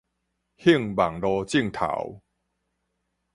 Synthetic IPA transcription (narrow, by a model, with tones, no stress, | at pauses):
hi˥˧˨ŋba˨˩ŋlɔ˧t͡ɕi˥˧˨ŋt̪ʰa̰˨˦w